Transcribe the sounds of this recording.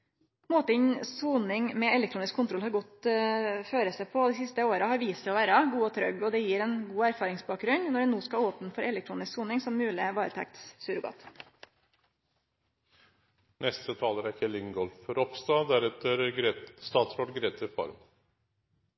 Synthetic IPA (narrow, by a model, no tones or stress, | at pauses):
moːt̪ɪɲsuːnɪŋmɛɛlɛk̚t̪ɾuːnɪskʰːʊnt̪ɾɔlhɑɾɡɔt̪ | føːɾəsæpʰɔd̪iːsɪst̪əoːɾəhɑɾʋiːsəɔʋæːɾɑɡuːɔt̪ʰɾœ̰ɡɔd̪ɛjiːɾɛnɡuːæɾfɑːɾɪŋsbɑːk̚ɾʉnnɔɖɛnuːskɑoːpn̩fɔɾɛlɛk̚t̪ʰɾuːnɪsksuːnɪŋsɔmːʉːlɪʋɑːɾət̪ʰɛ̰k̚t̪ssʉːɾɡɑ̰ːt̪ | nɛst̪ət̪ʰɑːləɾæɾçʰɛlɪŋɡɔlfɾɔpst̪ɑd̪æɾɛt̪əɾst̪ɑːt̪sɾoːɖɡɾeːt̪əfɑ̰ɾm